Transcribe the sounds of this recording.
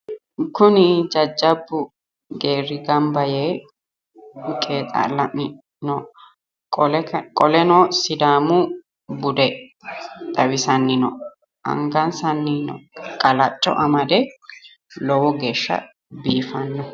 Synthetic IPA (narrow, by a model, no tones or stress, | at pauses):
kʊnɪd͡ʒɐd͡ʒːɐbːʊ | ɡeːɾɪɡɐmbɐje | kʼeːt̪ʼɐ̰lɐmɪ | nɔ | kʼɔlɛnɔsɪd̪aːmʊ | bʊd̪ɛ | t̪ʼɐwɪsɐnːɪnɔ | ʔɐ̰ŋɡɐnsɐnːɪnɔ̰kʼɐlɐt͡ʃʼːɔ̰ʔɐmɐd̪ɛ | lɔwɔɡeːʃːɐ̰ | biːfɐnːɔ